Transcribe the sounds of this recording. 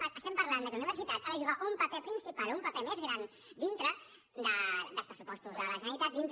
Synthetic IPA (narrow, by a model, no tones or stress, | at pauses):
əst̪ɛmpɐɾland̪əkuniβəɾsit̪at̪aðəʒuɣaʔumpɐpɛpɾinsipalumpɐpɛmezɣɾan | d̪int̪ɾə | d̪əd̪əlˠspɾəsupɔst̪uzələʒənəɾit̪at̪̚d̪int̪